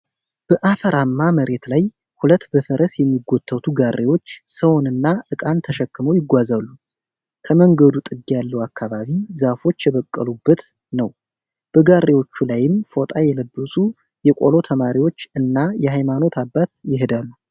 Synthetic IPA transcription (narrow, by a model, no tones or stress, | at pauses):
b̥əʔafəɾʔamːaməɾe̞t̪laj | hulət̪ːbəfəɾʔəsjɛmːiɡʷːot̪ʰːəwt̪ʰuɡarːʔewo̞t͡ʃːsəwnɨnːaʔɨkʼant̪ʰəʃɛkːɨməwjɪɡʷazalːu | kʰəməŋɡəd̪ut̪ʼɨɡjalːəwakʰːaβaβizafo̞t͡ʃːjɛβəkʼːəlubːət̪ | nəw | b̥əɡarʔewo̞t͡ʃːulajɪmfo̞t̪ʼajɛləbːəsʼu | jɛkʼo̞̰lo̞t̪ʰəmaɾiwo̞t͡ʃːɨnːajɛɦajmano̞t̪ʰabːat̪jɪɦɨd̪alːu